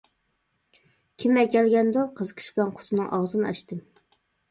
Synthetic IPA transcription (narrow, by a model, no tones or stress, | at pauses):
kʲʰimːɛkʲːɛlɡʲɛnd̪uqʰəzəqʰə̥ʃblɛnqʰʊ̥t̪ʰɨnɨŋʔɑʁzɨnɨɑ̰ʃt̪ɨm